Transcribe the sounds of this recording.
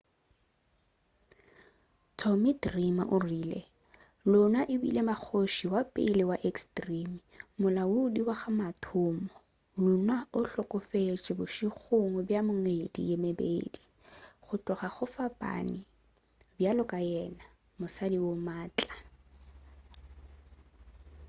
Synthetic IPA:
tʰɔmitrimaʔʊriːlḛ | lʊnaʔɪbḭlemak͡xʰoʃiwapʼɪ̰lɪwaʔekstʼrimi | mʊlaʊdiwaχamatʰʊːmɔ | lunaʊɬɔkʼʊfet͡ʃʼɪbʊʃiχʊŋɔbjamʊŋedḭjemebḛːdi | χʊtʼʊχaχʊfapʼa̰ni | bjalɔkʼajɛna | mʊsadiwomaːt͡ɬʼa

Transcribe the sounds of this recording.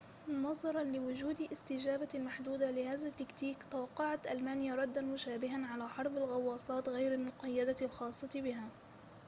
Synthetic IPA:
nɑðˤɑɾˤɑnlɪwʊd͡ʒuːd̪ʔɪst̪ɪd͡ʒaːbalmaħd̪uːd̪alɪhaːðat̪ːakt̪iːkt̪awɑqːɑʕat̪ʔalmaːnjaɾˤɑd̪ːanmʊʃaːbɪɦanʕalaħɑɾˤbalɣɑwːɑːsˤɑːt̪ɣajɾalmʊqɑjːad̪alxɑːsˤːɑt̪bɪɦaː

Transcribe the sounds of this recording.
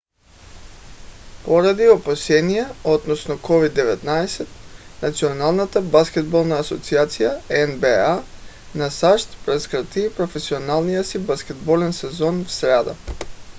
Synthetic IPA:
poɾad̪iopasɛnijɛod̪nɔsnokɔvid̪ːɛvɛt̪naɛsɛt̪̚nat̪sionalˠnat̪abaskʲɛd̪̚bolˠnaːsot̪siat̪sijaɛnbɛa | nasaʃt̪pɾɛskɾat̪ipɾofɛsionalˠnijasibaskʲɛd̪bolɛnsɛzɔnfsɾad̪a̰

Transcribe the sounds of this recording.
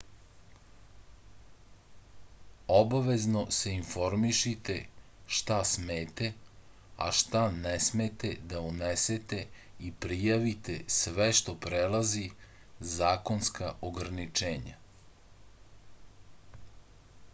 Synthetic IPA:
obaʋe̞zno̞se̞info̞ɾmiʃit̪e̞ | ʃt̪asmeːt̪e | a̰ʃt̪anɛsmet̪ed̪auneset̪e̞ | ipɾijaʋit̪esʋeʃt̪o̞pɾelazi | zaːko̞nskaʔoɡɾanit͡ʃeːɲa̰

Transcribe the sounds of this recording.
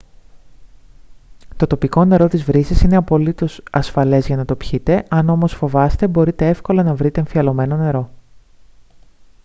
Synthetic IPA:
t̪o̞t̪o̞piko̞ne̞ɾo̞t̪izvɾisisine̞ɐpo̞lit̪o̞sɐsfɐle̞zʝɐnɐt̪o̞pçit̪e̞ɐno̞mo̞sfo̞vɐst̪e̞bo̞ɾit̪e̞e̞fko̞lɐnɐvɾit̪e̞ːɱfiɐlo̞me̞no̞ne̞ɾo̞

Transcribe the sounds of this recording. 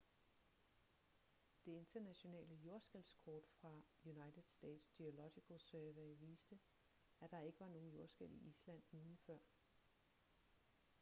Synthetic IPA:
d̥e̝e̝nd̥ɐnæɕo̝nɛ̰ːləjo̝ɐsɡ̥elskʰɒːd̥fʁɑ̈junɑ̈ɪd̥ð̩ˠsd̥ɛ̰ːd̥sd̥iolɒɡ̥ikʰosøːʋæʋḭːsd̥ə | æd̥ɑ̈e̝ɡ̥əʋɑ̈no̝ːn̩jo̝ɐsɡ̥el̰iʔislæn̰ːuːlifɶɐ̰

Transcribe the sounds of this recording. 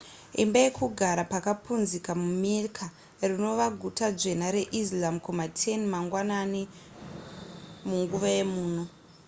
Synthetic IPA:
ḭmbajekuɡʱaɾapakapunzikamumirkʰa | rino̞ʋaɡʱutad͡ʒe̞naɾe̞ʔis̬lamkumatʰenimaŋɡwanani | muŋɡuʋaje̞muːn̤o

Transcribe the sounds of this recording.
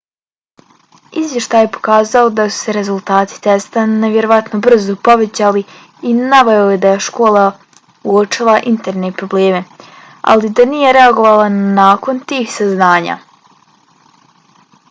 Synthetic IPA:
izʋje̞ʃt̪aːjepo̞̥kaːzao̞d̪asu̥se̞ɾe̞zulˠt̪aːt̪i̥t̪est̪ane̞ʋje̞ɾo̞ʋat̪no̞br̩zopo̞ʋe̞t͡ɕali | inaʋajojed̪ajeʃko̞ːlˠa | uot͡ʃilaʔint̪eɾne̞pɾo̞ble̞ːme | a̰lid̪anije̞ɾe̞aɡo̞ʋaːlˠanaːko̞nt̪iːxsaznaːɲa̰ː

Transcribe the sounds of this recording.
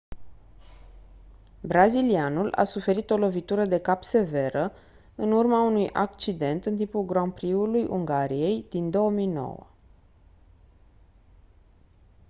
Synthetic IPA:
bɾazilianulʔa̰sufe̞ɾit̪o̞lo̞vit̪uɾəd̪e̞kapse̞ve̞ɾə | ɨnurmaunujʔa̰k̚t͡ʃid̪e̞nt̪ɨnt̪̬impulɡɾompɾiulujʔṵŋɡaɾije̞jd̪̥ind̪o̞omijno̞̰wə̰

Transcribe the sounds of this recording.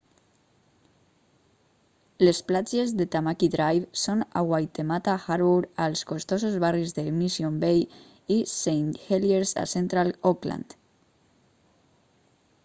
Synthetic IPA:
lesplad͡ʒezðet̪amakiðɾajβsonaɣwajt̪emat̪axaɾβuɾalskost̪osozβarizðemisjombej | isejnt̪xeljeɾsa̰sent̪ɾalokla̰nd̪

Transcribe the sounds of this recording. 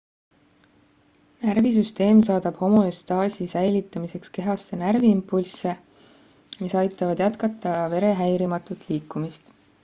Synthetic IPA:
nærvisyst̪e̞ːmsɑːd̪̥ɑb̥ho̞moest̪ɑːsʲisæjlit̪ːˑɑmise̞kske̞ɦɑsːe̞nærviimpːulsːe̞ | misɑjt̪ːˑɑvɑd̪̥jæt̪kɑt̪ːˑɑve̞ɾe̞ɦæjɾimɑt̪ːˑut̪ˑliːkːˑumist̪

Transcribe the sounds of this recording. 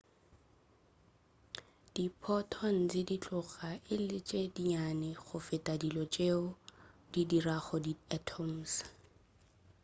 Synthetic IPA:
d̥ipʰɔtʰɔn̩t͡sɪdit͡ɬʼʊχaʔɪlɪt͡ʃʼediɲanɛχʊfɪtʼadilɔt͡ʃʼeʊdidiraχɔdiatʰɔm̩ːs

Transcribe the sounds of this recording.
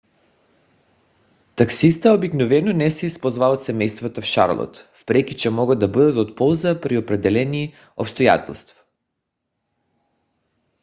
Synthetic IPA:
t̪aksist̪aobiknovɛnonɛsɛispozvaot̪sɛmɛjst̪vat̪afʃa̰ɾlˠo̰t̪fpɾɛkit͡ʃɛmɔɡad̪d̪abəd̪at̪ot̪pɔlˠzapɾiopɾɛd̪ɛlɛni | opst̪oja̰t̪ɛ̰lˠst̪vḁ

